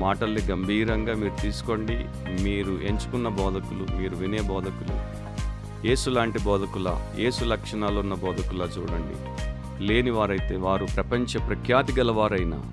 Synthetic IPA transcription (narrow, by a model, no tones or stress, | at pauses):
maːʈɐlːiɡɐmbʱiːɾɐŋɡaːmiːɾut̪iːsu̥ko̞ɳɖḭ | miːɾuʔe̞ɲt͡ʃu̥kunːɐbɔːd̪ɐkulumiːɾuʋine̞ːbɔːd̪ʱɐkulṵ | je̞ːsulaːɳʈibɔːd̪ʱɐkulɐ̰je̞ːsulɐkʂɐɳaːlunːɐbɔːd̪ʱɐkulɐːt͡ʃṵːɽɐɳɖḭ | le̞ːniʋaːɾɐjt̪e̞ːʋaːɾupɾɐpɐɲt͡ʃɐpɾɐkʰjaːt̪iɡɐlɐʋaːɾɐjna̰ː